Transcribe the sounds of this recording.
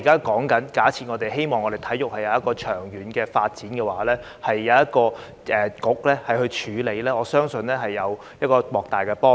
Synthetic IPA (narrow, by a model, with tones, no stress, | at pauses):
kaː˥kɔː˨˥ŋkɐ˨˥nkaː˨˥t͡sʰiː˨˧t̚ŋɔː˨˧t̪e˨jɦe˥jmɔː˨ŋɔ˨˧ɾe˨˩jt̪ʰɐ˨˥jʊ˨k̚hɐ˨jɐ˨˧wjɐ˥t̚kɔː˧t͡ʃʰœː˨˩ŋjyː˨˥nkɛː˧faː˧t̚t͡siː˨˥nkɛː˧waː˨˥lɛː˥ | hɐ˨jːɐ˨˧wjɐ˥t̚kɔː˧ | ʔɛː˨˩kʊ˨˥k̚lɛː˥hɐ˨jhɵ˧ɥt͡ʃʰyː˨˧le˨˧jlɛː˥ɔː˨˧sœː˥ŋsɵ˧nlɛː˥ɦɐ˨jːɐ˨˧w | jɐ˥t̚kɔː˧mɔː˨k̚t̪aː˨jkɛː˧pɔː˥